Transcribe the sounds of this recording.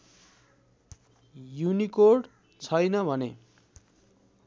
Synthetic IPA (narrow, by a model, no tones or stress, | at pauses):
junikorɖ | t͡sʰʌjnʌbʱʌne